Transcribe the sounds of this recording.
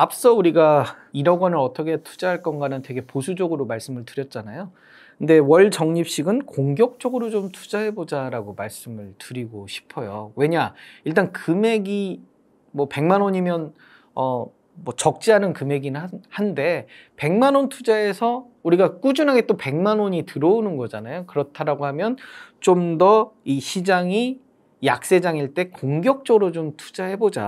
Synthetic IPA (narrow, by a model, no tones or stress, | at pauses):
ap̚s͈ʌuɾiɡa | iɾʌɡwʌnɯɾʌt͈ʌkʰe̞tʰu̥d͡ʑaɦaɭk͈ʌnɡanɯntwe̞ɡe̞posʰud͡ʑʌɡɯɾomaɭs͈ɯmɯɭtɯɾjʌt̚t͡ɕ͈anajo | kɯnde̞wʌɭt͡ɕʌŋɲip̚ɕ͈iɡɯnkoŋɡjʌk̚t͡ɕ͈ʌɡɯɾod͡ʑomtʰu̥d͡ʑaɦe̞bod͡ʑaɾaɡomaɭs͈ɯmɯɭtɯɾiɡoɕʰi̥pʰʌjowe̞ɲaiɭt͈ankɯme̞ɡi | mwʌpe̞ŋmanoɲimjʌn | ʌ | mwʌt͡ɕʌk̚t͡ɕ͈iɦanɯnkɯme̞ɡinhande̞ | pe̞ŋmanontʰud͡ʑae̞sʰʌ | uɾiɡak͈ud͡ʑunɦaɡe̞t͈ope̞ŋmanwoɲitɯɾʌunɯnɡʌd͡ʑanajokɯɾʌtʰaɾaɡoɦhamjʌnt͡ɕomdʌiɕʰid͡ʑaŋi | jak̚s͈e̞d͡ʑaŋiɭt͈e̞koŋɡjʌk̚t͡ɕ͈ʌɡɯɾod͡ʑomtʰu̥d͡ʑaɦe̞bod͡ʑa̰